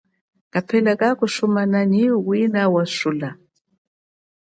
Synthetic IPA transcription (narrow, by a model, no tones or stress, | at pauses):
kapʰɛlakakuʃumananiwinawaʃula